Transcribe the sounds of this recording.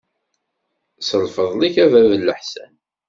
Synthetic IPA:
səlfəðˤliçævæðəlːəħsæ̰n

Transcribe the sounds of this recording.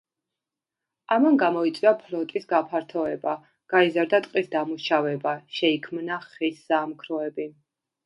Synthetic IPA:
amanɡamɔit̪sʼwiapʰlɔt̪ʼisɡapʰaɾt̪ʰɔɛba | ɡ̥aizaɾd̪at̪ʼqʼisd̪amuʃavɛbaʃɛikʰmnaχiszamkʰɾɔɛbi

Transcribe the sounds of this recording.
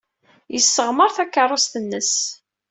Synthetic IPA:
jəsːəʁməɾˤθækːərˤːost̪ənːəs

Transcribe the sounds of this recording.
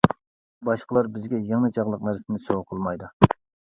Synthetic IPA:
bɑʃqəlˠɑɾbɪzɡʲɛjɛŋnɨt͡ʃʰɑʁlˠəq̚næɾsɪnɪsoʁqʰəlˠmɑjd̪u

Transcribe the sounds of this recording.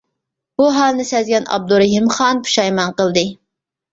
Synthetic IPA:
b̥uɦɑlˠnɪsɛzɡʲɛnɑ̰b̚d̪uɾɦimχɑnpʰu̥ʃɑjmɑnqəlˠd̪ɨ

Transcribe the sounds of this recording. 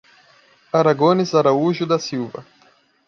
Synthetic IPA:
aɾaɡõnɪzaɾauʒʊd̪ɐsiwvɐ̰

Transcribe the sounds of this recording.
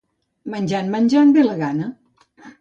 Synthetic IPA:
mənʲd͡ʒanmənʲd͡ʒanbeləɣanə

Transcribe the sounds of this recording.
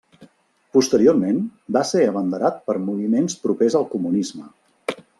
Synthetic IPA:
pust̪əɾioɾmenbaseəβənd̪əɾat̪̚pəɾmuβimenspɾupezəlˠkumunizmə

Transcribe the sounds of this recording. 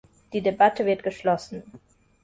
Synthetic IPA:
d̥iːdebatʰəvɪɐt̚ɡ̥əʃlɔsn̩

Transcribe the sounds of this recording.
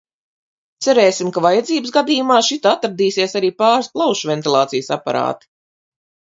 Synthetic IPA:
t̪sɛɾeːsimkavajad̪ziːbəsɡad̪iːjumaːʃit̪at̪aɾd̪iːsiɛsaɾiːpaːɾsplˠawʃvɛnt̪ilˠaːt̪sijsapa̰ɾa̰ːt̪i̥

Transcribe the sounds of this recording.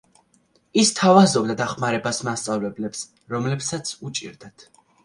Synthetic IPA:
ist̪ʰavazɔb̚d̪ad̪aχmaɾɛbasmast̪sʼavlɛblɛps | ɾɔmlɛpsat̪sʰut͡ʃʼḭɾd̪at̪ʰ

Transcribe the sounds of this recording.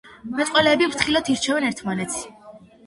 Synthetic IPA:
mɛt̪ʼqʼwɛlɛːbimɾt̪ʰχilɔt̪ʰiɾt͡ʃʰɛvɛnɛɾt̪ʰmanɛt̪sʰ

